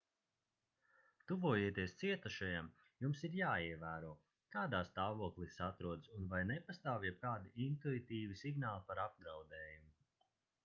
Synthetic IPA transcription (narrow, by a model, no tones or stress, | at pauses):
t̪uvuɔjeɛt̪iɛst̪siɛt̪aʃajam | jumsiɾjaːiɛvæːɾuɔ | kaːd̪aːst̪aːvuɔklˠisat̪ɾuɔd̪sunvajnepast̪aːvjɛb̚kaːd̪iint̪uit̪iːvisiɡnaːlˠipaɾab̚ɡɾawd̪ɛːjumu